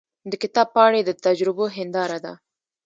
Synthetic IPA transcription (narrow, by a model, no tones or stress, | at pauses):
d̪əkɪt̪ɑb̚pɑɽed̪ət̪ad͡ʒɾɪboɦɪnd̪ɑɾad̪a̰